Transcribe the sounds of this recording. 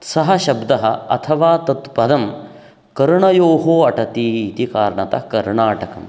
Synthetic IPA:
sɐɦɐʃɐbd̪ɐɦɐɐ̰t̪ʰɐʋaːt̪ɐt̪pɐd̪ɐm | kɐɾuɳɐjoːɦoːɐʈɐt̪it̪ikaːɾɳɐt̪ɐ̰ɦkɐɾɳaːʈɐkɐ̰m

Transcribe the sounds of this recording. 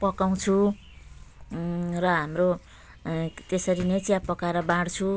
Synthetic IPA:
pʌkaw̃t͡sʰu | rʌɦamro | t̪esʌɾinet͡sjapʌkaɾʌbaɽt͡sʰu

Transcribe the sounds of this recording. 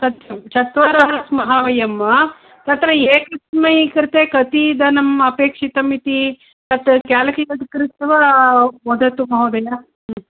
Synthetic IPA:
t̪ɐt̪jɐmt͡ʃɐt̪ʋaːɾɐɦɐɾɐsmɐɦaʋɐjɐmɐ | t̪ɐt̪ɾɐeːkɐsmɐjikɐɾt̪eːkɐt̪id̪ɐnɐmɐpeːkʂit̪ɐmit̪i | t̪ɐt̪kjaːlɐkiɐd̪kɾit̪ʋɐʋod̪ɐt̪umɐɦɐːd̪ɐjɐ

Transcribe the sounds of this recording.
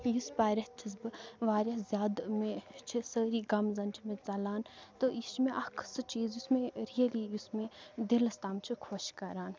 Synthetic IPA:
juspaːɾʲɐt̪ʰɨs̬bɨʋaːɾjɐzʲjaːd̪mẽt͡ʃʰisəːɾiːɡɐmzɐnt͡ʃʰimẽt͡sɐlaːnt̪ojist͡ʃʰimẽʔɐkʰsɨt͡ʃiːzjusmẽɾijɐlijusmed̪ilɐst̪aːmt͡ʃʰikʰoʃkɐɾaːn

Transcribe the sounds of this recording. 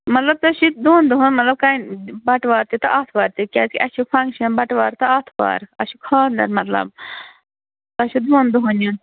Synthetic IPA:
mɐt̪lɐb̚t̪ɐʃid̪uːnd̪uɦunmɐt̪lɐb̚kaːnbɐʈʋaːɾt̪it̪ɨʔat̪ʰʋaːɾt̪ikʲa̰ːt͡skʲiʔɐʃipʰɐŋkʃɐnbɐʈʋaːɾt̪ɨat̪ʰʋa̰ːɾɐʃukʰaːnd̪ɐ̰ɾmɐt̪lɐ̰b̚ | t̪ɐʃud̪uːnd̪uɦunjun

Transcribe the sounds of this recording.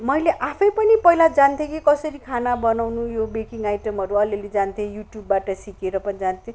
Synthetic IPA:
mʌjleʔapʰʌjpʌnipʌilad͡zant̪ʰẽkikʌsʌɾikʰanabʌnawnujobekiŋɡajʈʌmʌɾuʌleled͡zant̪ʰẽjuʈjubːaʈʌsikeɾʌpʌnid͡zant̪ʰẽ

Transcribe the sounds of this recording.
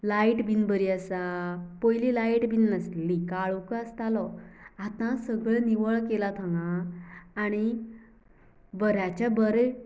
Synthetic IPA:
laiʈbinbəɾiəsapojlilajʈbinnəslikaɭukəəst̪alɔat̪ãsəɡɭniʋəɭkelat̪ʰãŋɡãː | ɽ̃i | bəɾjat͡ɕabəɾe

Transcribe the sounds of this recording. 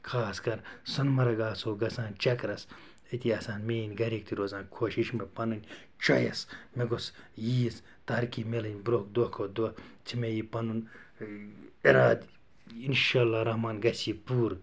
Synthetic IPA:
kʰaːskɐɾsɐnmɐɾɐɡaːsoːɡɐsãːnt͡ʃɐkɾɐs | it̪iɐsaːnmeːnʲɡɐɾiːk̚t̪ʰiɾoːzãːnkʰoːʃiʃmepɐnunʲ | t͡ʃɐjɐsmeɡosjiːz | t̪ɐɾkimelɐnʲbɾok̚d̪okʰod̪ɐt͡sʰimejiːpɐnun | iɾaːd̪ | inʃaːlːaːɾɐhmaːnɡɐsiːpuːɾ

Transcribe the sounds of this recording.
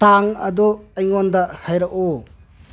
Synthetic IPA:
aŋɐ̰d̪ɔɐjŋɔndahajɾaʔo

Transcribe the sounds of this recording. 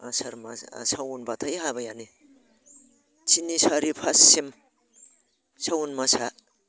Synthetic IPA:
asaɾma̰sawunbat̪ʰajɦabajani | t͡ʃʰinisaɾipʰasːim | sawunmasa

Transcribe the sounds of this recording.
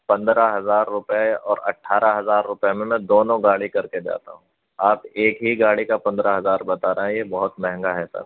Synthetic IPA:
pɐ̃nd̪ɾaɦɐzaːɾːʊpeɔːɾɐ̰ʈʰːaːɾaɦɐzaːɾːʊpjemẽmɛ̃d̪oːnõɡaːɽikɐɾked͡ʒa̰ːt̪a̰ɦũː | aːpeːkɦiɡaːɽikapɐ̃nd̪ɾaɦɐzaːɾbɐt̪aːɾɐɦɛ̃jebɐɦʊt̪mɛɦɛ̃ŋɡaɦɛsɐ̰ɾ

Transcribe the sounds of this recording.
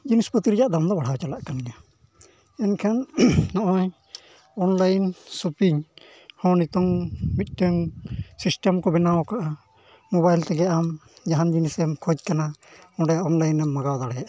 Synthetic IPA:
d͡ʒinispət̪iɾd͡ʒaʔd̪amd̪ɔbaɽ̤awt͡ʃalaʔkanɛna | ɛnkʰannɔʔɔj | ɔnlajnsupiɲ | hɔ̃nit̪ɔŋbic̪̚ˀʈəŋsisʈɛmkɔbɛnawɔkaʔa | mɔbajlt̪ɛɡɛamd͡ʒaɦand͡ʒinisɛmkʰɔc̚kana | ɔ̃ɖɛɔnlajnːɛmːaɡawd̪aɽɛjaʔ

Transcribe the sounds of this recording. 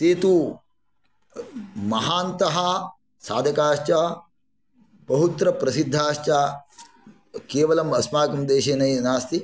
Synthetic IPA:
t̪eːt̪u | mɐɦaːnt̪ɐɦɐ | saːd̪ʱɐkaːʃt͡ʃɐ | bɐɦut̪ɾɐpɾɐsid̪ʱːaːʃt͡ʃa | keːʋɐlɐmɐsmaːkɐmd̪eːʃeːnɐjnaːst̪i

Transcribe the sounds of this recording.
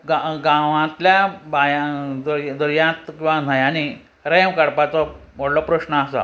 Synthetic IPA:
ɡaɡãʋãt̪ljabajãd̪əɾd̪əɾjãt̪kĩw̃ʋan̤ajani | ɾejmkaɽpat͡sɔm̤oɽlɔpɾəɕnəasa̰

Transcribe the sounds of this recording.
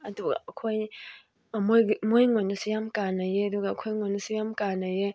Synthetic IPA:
aduɡa̰kʰoj | amomojŋonusijamkʼanajeduɡakʰojŋɔnusijamkʼanaje

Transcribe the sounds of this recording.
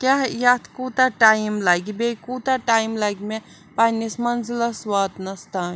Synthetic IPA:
kʲaɦjaːt̪ʰkut̪aʈaːjmlaːɡibekuːt̪aʈaːjmlaːɡime | paːnismɐnzilɐswat̪nɐst̪a

